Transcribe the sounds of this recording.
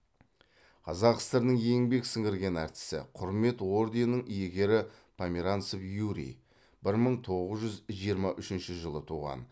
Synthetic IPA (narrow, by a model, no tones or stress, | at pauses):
qʰɑzɑqə̥st̪əɾnəɴjeŋbe̞ksɪŋɪɾɡʲe̞næɾt̪ɪ̥sɪ̰qʰʊɾme̞t̪wo̞ɾd̪enːəɴijeɡʲe̞ɾɪ | pʰamʲiɾant̪sofjuɾḭ | b̥ɪɾməɴt̪ʰo̞ʁəzʒʏzʒijəɾmɑʔʏʃɪnʃɪʒəlˠət̪ʰuʁɑ̰n